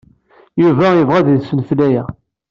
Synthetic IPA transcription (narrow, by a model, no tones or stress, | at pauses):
juvæjəvʁæððsənflæjæ